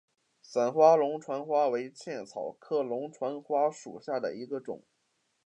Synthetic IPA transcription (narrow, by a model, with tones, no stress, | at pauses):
sə˨˩nxwa˥lʊ˧˥ŋʈ͡ʂʰwa˧˥nxwa˥we˧˥ɪt͡ɕʰjɛ˥˩nt͡sʰɑ˨˩ʊkʰɤ˥lʊ˧˥ŋʈ͡ʂʰwa˧˥nxwa˥ʂṵ˨˩ɕja˥˩d̪ə̰˩i˧˥ɡə˧ʈ͡ʂʊ̰˨˩˦ŋ